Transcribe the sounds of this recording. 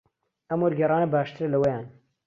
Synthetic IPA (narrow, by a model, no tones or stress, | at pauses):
ɐmwoɾɡɐrɑːnɐbaːʃt̪ʰɨɾlɐwɐjaːn